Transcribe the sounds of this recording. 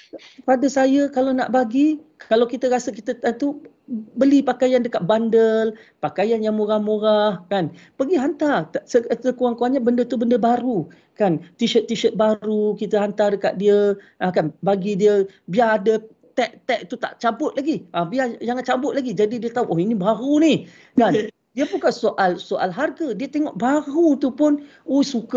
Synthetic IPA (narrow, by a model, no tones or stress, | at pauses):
əpadəsajəkalana̰ʔbaɡikalawkit̪əɾasəkit̪ət̪at̪u | bəlipakajandəkat̪̚bandəl | pakajanjaŋmoɾahmoɾahkanpəɡiɦant̪artsəsəkuaŋkuaɲabəndət̪ubəndəbaɾu | kant̪iʃət̪ːiʃət̪̚baɾukit̪əɦant̪ardəka̰ʔ̪̚diəʔakanbaɡidiəbiaadə | t̪ɛʔt̪ɛʔ̚t̪ut̪a̰ʔt͡ʃabʊt̪̚laɡiʔabiad͡ʒaŋant͡ʃabʊt̪̚laɡid͡ʒadidiət̪auʔoinibaɾunih | dan | diəpunkasoʔalsoʔa̰lɦarɡədiət̪eŋɔʔbaɾut̪upʊn | osuka